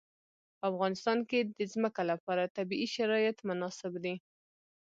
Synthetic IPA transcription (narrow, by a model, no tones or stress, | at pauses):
pəafɣɑnɪst̪ɑnked̪əzməkalapɑɾat̪abiʔiʃaɾɑjat̪mʊnɑsɪbd̪i